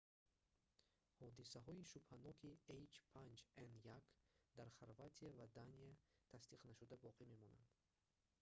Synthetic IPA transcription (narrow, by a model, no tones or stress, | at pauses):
hɔd̪isaɦɔiʃubhanɔkʰiejt͡ʃpʰand͡ʒenjakd̪aɾχaɾvat̪ʰiavad̪aniat̪ʰasd̪iqnaʃud̪abɔqʰime̞mɔna̰nd̪̥